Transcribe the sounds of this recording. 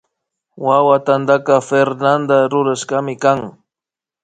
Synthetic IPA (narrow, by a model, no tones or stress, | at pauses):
wawat̪and̪akɑfeɾnand̪aɾʊɾaʃɢɑmɪkaŋ